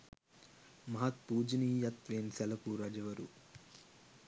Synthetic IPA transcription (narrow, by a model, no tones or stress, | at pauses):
mɐɦɐt̪̚puːd͡ʒiniːjɐt̪ʋeːnsɛlɐpuɾɐd͡ʒɐʋɐɾṵ